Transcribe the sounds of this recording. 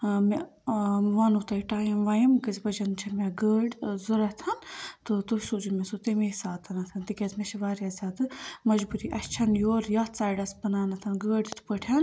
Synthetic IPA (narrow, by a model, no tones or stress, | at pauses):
me | ʋaːnut̪ɐiʈaːjimʋaːjimkɐzbɐd͡ʒɐnt͡ʃʰɐmʲeɡəːɖzuɾɐt̪ʰɐnt̪ɨt̪usud͡ʒumesot̪imesaːt̪ɐnɐt̪ʰɐnt̪ikʲɐzmɐsʃiʋaːɾjazʲaːd̪ɨmɐd͡ʒbuɾiːʔɐst͡ʃʰɐnjoːɾjaːt̪saːjɖɐsbɐnaːnɐt̪ʰɐnɡəːɖʲt̪ʰpəʈʰɐn